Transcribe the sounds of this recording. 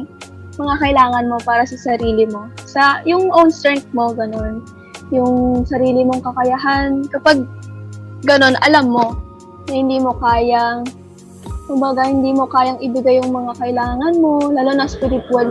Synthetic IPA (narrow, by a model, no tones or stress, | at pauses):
mɐŋakɐʔɪlaːŋɐnmo̞paːɾɐsɐsɐɾiːlɪmo̞sɐjʊŋʔownst̪ɾɛŋ̚t̪̚mo̞ɡɐno̞n | jʊŋsɐɾiːlɪmo̞ŋkɐkɐjaɦankɐpaɡ̚ | ɡɐno̞nʔɐlamːo̞ | nɐhɪnd̪iːmo̞kaːjɐŋ | kʊmbɐɡahɪnd̪iːmo̞kaːjɐŋʔɪbɪɡajːʊŋmɐŋakɐʔɪlaːŋɐnmo̞laːlonɐspɪɾɪt̪wal